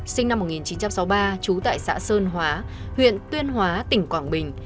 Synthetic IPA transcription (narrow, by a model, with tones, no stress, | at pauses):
sï˧ŋ̟na˧mː˨˩t̚ŋi˨˩nt͡ɕi˨˦nt͡ɕa˧msa˨˦wɓaː˧t͡ɕu˨˦t̪a̰ː˧˨jsa̰ː˧˥səː˧nɦwaː˨˦ | hwḭ˧˨ənt̪wi˧ənɦwaː˨˦t̪ï˧˩ŋ̟kwaː˧˩ŋɓï˨˩ŋ̟